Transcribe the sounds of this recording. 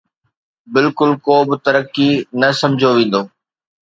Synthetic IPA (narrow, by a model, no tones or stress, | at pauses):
bɪlkʊlkoːbɪt̪ɐɾəkːinɐsɐ̃md͡ʑʱoʋẽːn̆d̪oː